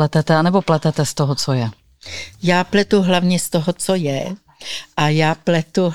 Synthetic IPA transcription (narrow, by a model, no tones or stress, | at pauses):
ɛt̪ɛt̪ɛanɛboplɛt̪ɛt̪ɛst̪oɦot͡sojɛ | jaːplɛt̪uɦlavɲɛst̪oɦot͡sojɛ | ʔajaːplɛt̪u